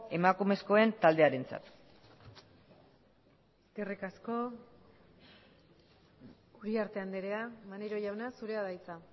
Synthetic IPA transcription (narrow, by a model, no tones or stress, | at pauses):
e̞makume̞sko̞e̞nt̪ald̪e̞aɾe̞nt͡sa̰t̪ | eske̞rikasko̞ | uɾiaɾt̪e̞and̪eɾe̞amaneɾo̞ʝawnasuɾe̞aðajt͡sa